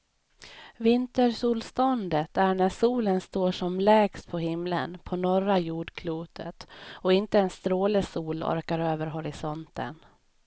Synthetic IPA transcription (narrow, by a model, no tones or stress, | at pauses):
vɪnt̪əɾʂuːlst̪ɔnd̪ət̪ʰæɳæʂuːlənst̪oːʂɔmlɛːɡst̪̚pʰɔhɪmlə̰npʰɔnɔɾajuːɖkʰluːt̪ʰə̰t̪ɔɪnt̪əɛnst̪ɾoːləsuːlɔ̰ɾkaɾøːvəɾɦɔɾɪsɔnt̪ə̰n